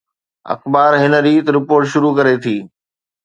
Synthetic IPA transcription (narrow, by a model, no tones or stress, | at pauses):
ɐ̰xbaːɾɦɪnə̆ɾiːt̪ɾɪpoːɾʈʃʊɾukɐɾet̪ʰiː